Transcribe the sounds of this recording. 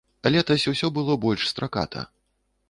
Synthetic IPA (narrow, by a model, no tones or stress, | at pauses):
ɐlʲɛt̪ɐsʲuwsʲɔbɨlˠɔbɔlʲʂst̪ɾaka̰t̪ʰɐ̰